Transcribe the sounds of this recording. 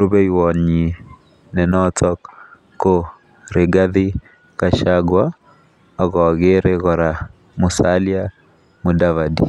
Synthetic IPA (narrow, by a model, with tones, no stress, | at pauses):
ɾo˦bɛ˦iwɔ˨ɲi˨ | nɛ˨nɔtɔkː | o | ɾe˨ɡa˦ði˦ | ka˨ʃaɡwa | ɔɣɔ˨ɣeɾeɣɔɾa | mʊ˨salja˦ | mʊ˨dava˨dḭ˨